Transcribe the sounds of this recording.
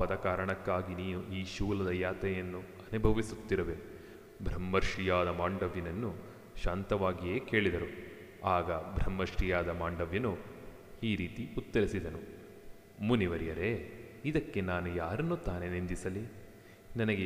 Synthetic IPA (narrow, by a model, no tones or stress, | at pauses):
pɐd̪ɐkaːɾɐɳɐkːaːɡiniːnuʔiːʃuːlɐd̪ɐjaːt̪ɐjɐnːu | ɐnubʱɐʋisut̪ːiɾɐʋe̞ | bʱɾɐmːɐɾʂijaːd̪ɐmaːɳɖɐʋjɐnɐnːu | ʃaːnt̪ɐʋaːɡije̞ːke̞ːɭid̪ɐɾu | aːɡɐbʱɾɐmːɐɾʂijaːd̪ɐmaːɳɖɐʋjɐnu | iːɾiːt̪iut̪ːɐɾisid̪ɐnu | muniʋɐɾijɐɾe̞id̪ɐkːe̞naːnujaːɾɐnːut̪aːne̞nind̪isɐli | nɐnɐɡe